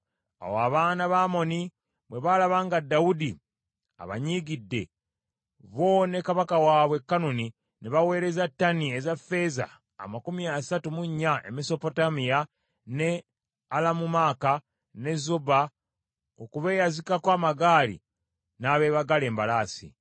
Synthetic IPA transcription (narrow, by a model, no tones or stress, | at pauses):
a̰woaβaːnaβaːmo̞ni | βwe̞βalaβaːŋɡadːaudi | a̰βa̰ɲiːɡidːe̞ | βo̞ne̞kaβakawaːβwe̞kːanoni | neβawe̞ːɾe̞zatːanie̞zafe̞za̰ː | makumiasatumuɲːaʔe̞̰meso̞po̞tamija | ne̞ | alamumaːka | ne̞zoba | okuβe̞ːjazikakwaːmaɡaːlḭ | naːβe̞ːβaɡale̞ːmbalaːsḭ